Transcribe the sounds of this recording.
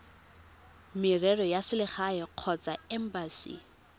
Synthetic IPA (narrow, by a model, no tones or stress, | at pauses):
mɪrɛrɔjasɪlɪχaɛq͡χʰɔt͡saɛm̩basḭ